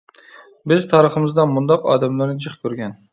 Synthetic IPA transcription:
bɪzt̪ʰɑːɾəχəmɨzd̪ɑmund̪ɑqɑ̰ːd̪ɛmlæɾnɪd͡ʒəχkʲʰøɾɡʲɛn

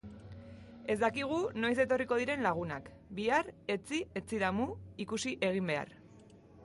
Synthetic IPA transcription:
e̞zd̪akiɣ̞uno̞js̬e̞t̪o̞riko̞ð̞iɾe̞nlaɣ̞unak | biare̞t͡sie̞t͡siðamuikusiʔe̞ɣ̞imbe̞a̰r

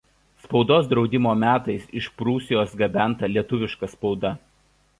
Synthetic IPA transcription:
spɒʊd̪oːs̬d̪ɾɒʊd̪ʲɪmoːmʲæːt̪ɐɪsɪʃpɾuːsʲɪjoːsɡɐbʲæˑnˑt̪ɐlʲiɛt̪ʊʋʲɪʃkɐspɒʊd̪ɐ

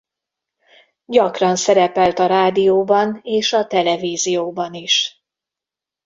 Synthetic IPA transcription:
ɟɒkrɒnsɛɾɛpɛlt̪ɒɾaːd̪ijoːbɒneːʃɒt̪ɛlɛviːzijoːbɒniʃ

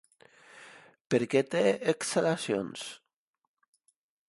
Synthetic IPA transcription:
peɾket̪eeksalasjo̰ns

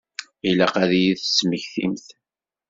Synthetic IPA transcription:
ilæqæðijiθsməçθḭmθ

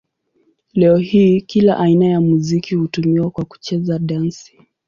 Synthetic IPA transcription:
lɛɔhiːkilaʔainajamuzikihutumiwakwaku̥t͡ʃɛzaɗansi̥

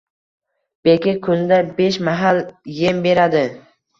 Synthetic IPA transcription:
b̥ekʲɪkʰʊnd̪abe̞ʃmaɦaljembe̞ɾad̪ɪ

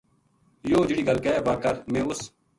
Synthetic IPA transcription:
joːd͡ʒɪɽiːɡəlkɛːbaːkəɾmẽːʊs

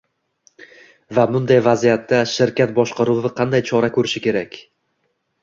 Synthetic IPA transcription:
vabʊnd̪ajvazijat̪ːaʃɪɾkʲat̪̚bɒʃqɑɾuvɪqʰɑnd̪ajt͡ʃʰɒɾakʰɵɾɪʃɪkʲe̞ɾakʲ

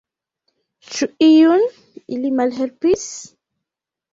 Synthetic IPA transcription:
t͡ʃuʔijun | ilimalɦɛɾpis

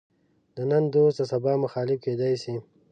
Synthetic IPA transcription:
d̪ənand̪ost̪asabɑːmʊxɑːlɪfked̪ɑjsi

